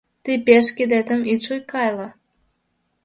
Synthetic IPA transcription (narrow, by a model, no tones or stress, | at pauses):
t̪ipeʃked̪et̪ə̆miʃojkɑjlɑ